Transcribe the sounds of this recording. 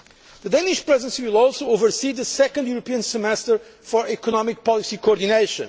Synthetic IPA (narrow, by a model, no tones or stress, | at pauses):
ðəd̪ẽniʃpɹɛzɛ̃nsiwilˠɔlˠsowovə˞siðəsɛkɔ̃ndjuɾɔpiə̃nsəmɛstəɹfɔɹɛkɔnɔmik̚pɔlˠisikoɔɾd̪ineɪʃɨ̰̃n